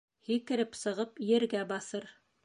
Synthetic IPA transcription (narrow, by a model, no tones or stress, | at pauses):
hikɘ̆ɾɘpsɤ̆ʁɤpjɘ̆ɾɡæbɑsɤɾ